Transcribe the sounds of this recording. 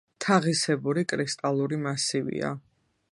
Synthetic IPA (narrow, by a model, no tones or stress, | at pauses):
t̪ʰaʁisɛbuɾikʼɾist̪ʼalˠuɾimasivḭa̰